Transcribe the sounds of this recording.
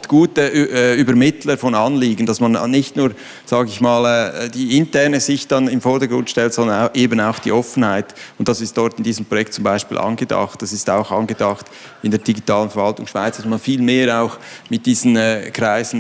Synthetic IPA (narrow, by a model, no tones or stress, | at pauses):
tɡ̥uːtəʔʔyːbəɾmɪtləfɔnɑnliːɡən̩d̥ɑsmɑnnɪçtnuːɾ | z̥ɑːɡɪçmaːlɛːd̥iːɪntɛɾnəzɪçd̥ɑnɪmfɔɾdəɡɾʊntʃtɛltsɔndənʔeːbənaʊxd̥ḭːʔɔfən̩haɪtʊntd̥ɑsɪstd̥ɔɾtɪndiːzəmpʁojɛk̚t̚t͡sʊmbaɪʃpḭːlʔɑ̰nɡədɑ̰xt̚d̥ɑsɪstaʊxɑnɡədɑxt | ɪndeːɐdiɡitʰɑːlənfɛɾvɑltʊŋʃv̥aɪt͡sd̥ɑsmɑnfiːlmeːɾaʊxmɪt̚d̥iːzn̩ɛːkɾaɪzn̩